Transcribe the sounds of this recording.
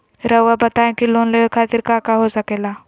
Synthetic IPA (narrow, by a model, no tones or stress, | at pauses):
ɾəʋabɐt̪aːẽkiloːnleekʰaːt̪ɪɾkakaɦosɐkeːla